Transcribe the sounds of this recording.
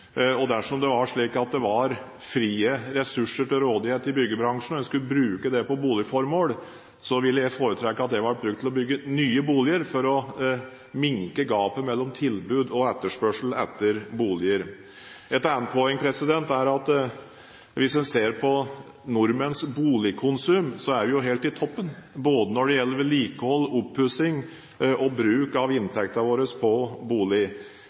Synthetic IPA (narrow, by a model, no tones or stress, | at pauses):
ɔd̪æʂɔmd̪ɛʋɑʂɭiːkɑt̪̚d̪ɛʋɑɾ | fɾiːəɾɛsʉʂːəʈɪlɾoːd̪ɪheːt̪ɪbʏɡːəbɾɑŋʂn̩ɔɛnskʉləbɾʉːkəd̪ɛpɔbuːlɪfɔɾmoːl | sɔʋɪlːəjæfoːɾət̪ʰɾɛkːəɑt̪̚d̪ɛʋɑbɾʉɡ̚t̪ʰɪlɔbʏɡːənyːəbuːlɪəɾfɔɾɔ | mɪŋkəɡɑːpəmɛlːɔmt̪ʰɪlbʉːd̪ɔɛt̪ːəʂpœʂl̩ɛt̪ːəɾbuːlɪəɾ | ɛt̪æːənpʰɔɛŋːpʰɾɛsɪd̪ɛnt̪æɾɑt̪ | ʋɪsɛnseːɾpʰɔ | nʊɾmənsbuːlɪkʰʊnsʉmsɔæʋɛjʊɦɛːlt̪ɪt̪ʰɔpːənboːd̪ənɔɖɛjɛlːəɾʋɪliːkəhɔlːʊpʰːʉsɪŋ | ɔbɾʉːkɑʋɪnt̪ʰɛk̚t̪ɑʋoːɾəspʰɔbuːlɪ